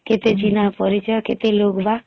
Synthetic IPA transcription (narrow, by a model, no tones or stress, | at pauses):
ket̪et͡ʃinapɔɾit͡ʃəket̪eloɡba